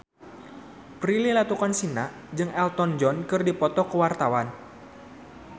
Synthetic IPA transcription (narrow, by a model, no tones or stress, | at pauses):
pɾililat̪ukansinaʔ | d͡ʒɨŋɛlt̪ɔnd͡ʒɔnkɨrdipɔt̪ɔkəwart̪awan